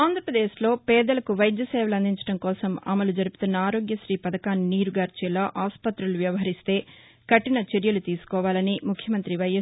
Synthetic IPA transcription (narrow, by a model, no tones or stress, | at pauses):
aːnd̪ʱɾɐpɾɐd̪eːʃlo̞ːpɛːd̪ɐlɐkuʋɐjd̪jɐsɛːʋɐlɐnd̪iɲt͡ʃɐ̥ʈɐmkɔːsɐmɐ̰mɐlud͡ʒɐɾupu̥t̪unːɐaːɾo̞ːɡjɐʃɾiːpɐd̪ɐkaːnːiːɾuɡaːɾt͡ʃilːɐʔaːspɐt̪ɾuluʋjɐʋɐɦɐɾist̪e̞ː | kɐʈinɐt͡ʃeɾjɐlut̪iːsu̥kɔːʋaːlɐnimukʰjɐmɐnt̪ɾiʋɐjɐ